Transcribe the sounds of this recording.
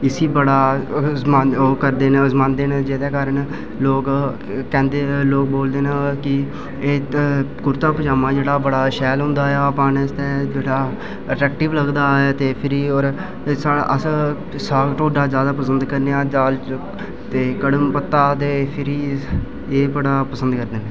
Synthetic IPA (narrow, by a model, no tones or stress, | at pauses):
ɪsiːbəɽaːmaːoːkəɾd̪eːnzmãːnd̪eːned͡ʒeːd̪eːkaːɾən | loːk | kɛ̃ːnd̪eːloːk̚boːld̪eːnakɪ | eːkʊɾt̪aːpəd͡ʒaːmãːd͡ʒeːɽaːbəɽaːʃɛːlɦʊ̃nd̪aːɛaːpãːnst̪ɛːd͡ʒeːɽaː | əʈɛːk̚ʈɪʋləɡd̪aːeːt̪eːpʰɪɾiːɔːɾ | saːʔəs | saːkʈoːɖaːzjaːd̪aːpəsə̃nd̪kəɾneãːd͡ʒaːl | t̪eːkəɽəmpət̪ːaːt̪eːpʰɪɾiː | eːbəɽaːpəsə̃nd̪kəɾd̪eːneː